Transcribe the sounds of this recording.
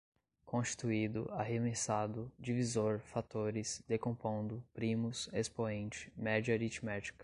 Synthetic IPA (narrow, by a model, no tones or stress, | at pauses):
kõst͡ʃi̥t̪uid̪ʊ̰aɦemesad̪ʊd͡ʒivizoɾfat̪oɾɪsd̪ekõpõnd̪ʊpɾĩmʊsespõẽnt͡ʃɪ̥mɛd͡ʒɐeɾit͡ʃmɛt͡ʃi̥kɐ̥